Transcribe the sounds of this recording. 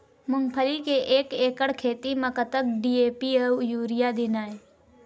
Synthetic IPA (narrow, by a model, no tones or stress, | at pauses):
mʊŋpʰəlikeʔeːkeːkəɽkʰeːt̪iməkət̪ək̚ɖiːeːpiəjuːɾɪjad̪ɪnaːe